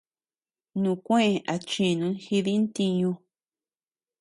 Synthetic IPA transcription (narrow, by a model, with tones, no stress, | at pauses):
nũ˨kʷẽ˦ʔẽ˧˨ʔa˨t͡ʃĩ˧˨nũ˧˦nxi˧ði˦nt̪i˧ɲũ˧